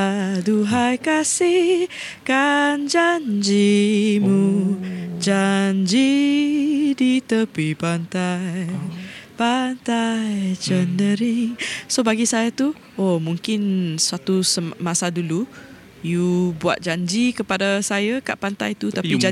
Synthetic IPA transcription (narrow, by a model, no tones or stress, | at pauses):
duɦajkasih | kand͡ʒand͡ʒimu | d͡ʒaɲd͡ʒi | dit̪əpipant̪aj | pant̪ajjt͡ʃəndəɾɪŋsobaɡisajat̪u | omũŋkɪnswat̪usəmasadulu | jubua̰t̪̚d͡ʒaɲd͡ʒikəpadasajaka̰ʔpant̪a̰jt̪ut̪aid͡ʒ